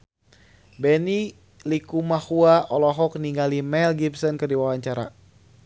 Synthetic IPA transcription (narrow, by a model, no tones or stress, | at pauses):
bɛni | likumahuaʔɔlɔɦɔk̚niŋɡalimɛlɡibsɔnkɨrdiwawaɲt͡ʃaɾa̰